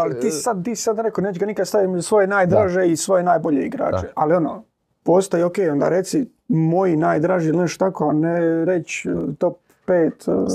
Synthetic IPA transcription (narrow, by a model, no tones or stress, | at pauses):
alit̪iːssad̪̚t̪iːsi̥sad̪ɾekoneːt͡ɕeɡanikad̪st̪aʋimsʋo̞jenaːjd̪ɾaːʒeisʋo̞jenaːjbo̞ʎeiɡɾa̰ːt͡ʃealio̞no̰ː | po̞ːst̪ojeokeːjo̞nd̪a̰ɾe̞t̪si | mo̞jinaːjd̪ɾaːʒiilneʃt̪t̪akoaneɾet͡ɕt̪o̞p̚ːeːt̪